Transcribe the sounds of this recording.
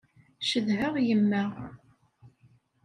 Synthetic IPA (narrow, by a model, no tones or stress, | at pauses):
ʃəðɦəʁjəmːæʁ